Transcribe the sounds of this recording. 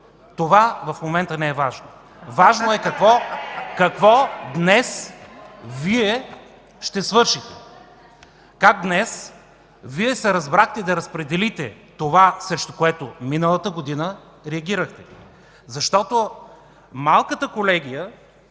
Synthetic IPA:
t̪ovavɐfmomɛnt̪ənɛɛvaʒno | vaʒnoɛkɐkvɔkɐkvɔd̪nɛs | viɛ | ʃt̪ɛsvɤɾʃit̪ɛ | kaɡ̚d̪nɛs | viɛsɛɾɐzbɾaxt̪ɛd̪ɐɾɐspɾɛd̪ɛlit̪ɛ | t̪ovasɾɛʃt̪o̥koɛt̪ominəlˠət̪əɡod̪inə | ɾɛɐɡʲiɾəxt̪ɛ | zɐʃt̪ɔt̪o | malˠkət̪əkolɛɡʲijə

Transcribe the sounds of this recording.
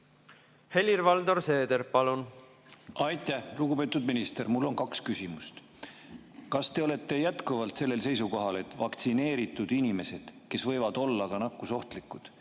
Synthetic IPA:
he̞lʲirvɑld̪o̞ɾse̞ːd̪eɾpɑlun | ɑjt̪ːˑæhluɡupe̞ːt̪ːˑud̪̚minist̪e̞ɾmulːo̞nkɑkskysʲimust̪ | kɑst̪e̞o̞le̞t̪ːˑe̞jæt̪kuvɑlt̪se̞lːe̞lse̞jsukoɦɑle̞t̪vɑkt̪sine̞ːɾit̪ːˑud̪̥inʲime̞se̞d̪̥ke̞svɤ̞jvɑd̪̥o̞lːɑɡɑnɑkːˑuso̞ht̪likːˑud̪̥

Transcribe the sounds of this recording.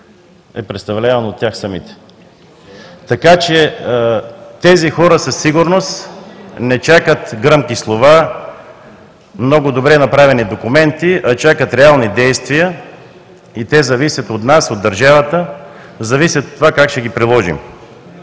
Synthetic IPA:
ɛpɾɛt̪st̪ɐvlʲavɐnot̪ːʲjaxsɐmit̪ɛ̥ | t̪ɐkat͡ʃɛ | t̪ɛzixɔɾəsɐsːiɡʊɾnost̪nɛt͡ʃakət̪ɡɾəmkislˠova | mnɔɡʊd̪obɾɛnɐpɾavɛnid̪okʊmɛnt̪iʔɐt͡ʃakət̪ɾɛalˠnid̪ɛjst̪vijə | it̪ɛzɐvisʲjət̪ot̪nasod̪ːɐɾʒavət̪ə | zɐvisʲjət̪ot̪ːovakakʃɛɡipɾilˠɔʒḭm

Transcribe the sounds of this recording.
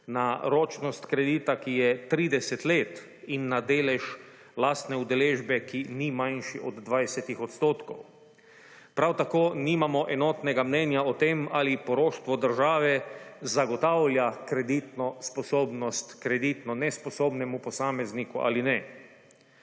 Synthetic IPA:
naɾoːt͡ʃnɔst̪kɾɛd̪iːt̪akijɛt̪ɾiːd̪ɛsɛt̪leːt̪ | inːad̪eːlɛʃ | laːst̪nɛud̪ɛleːʒbɛkinimajnʃiɔd̪ːʋajsɛt̪ixɔt̪st̪oːt̪kɔw | pɾawt̪akoːniːmamɔʔɛnɔt̪nɛɡamnɛnjaɔt̪emaːlipɔɾoːʃt̪ʋɔd̪əɾʒaːʋɛzaɡɔt̪awljakɾɛd̪it̪nɔspɔsoːbnɔst̪kɾɛd̪it̪nɔnɛspɔsoːbnɛmupɔsaːmɛznikuʔa̰linɛ

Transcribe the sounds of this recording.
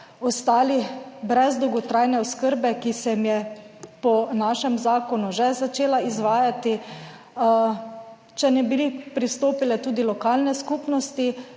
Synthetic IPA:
ɔst̪aːlibɾɛzd̪ɔwɡɔt̪ɾajnɛɔskəɾbɛkisɛmjɛpɔnaːʃɛmzaːkɔnuʒɛzat͡ʃeːlaizʋaːjat̪i | t͡ʃɛnɛbilipɾist̪oːpilɛt̪uːd̪ilɔkaːlnɛskuːpnɔst̪i

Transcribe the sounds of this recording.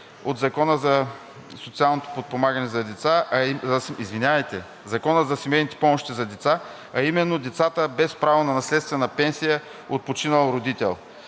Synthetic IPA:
od̪zɐkɔnəzɐ | sot̪sialˠnot̪o̥pot̪̚pomaɡənɛzɐd̪ɛt̪saɐsizvinʲavɐjt̪ɛ | zɐkɔnəzɐsimɛjnit̪ɛ̥pɔmoʃt̪izɐd̪ɛt̪sa | ɐimɛnːod̪ɛt̪sat̪əbɛspɾavonɐnɐslɛt̪st̪vɛnɐpɛnsijə | ot̪̚pot͡ʃinəlˠɾod̪it̪ɛ̰lˠ

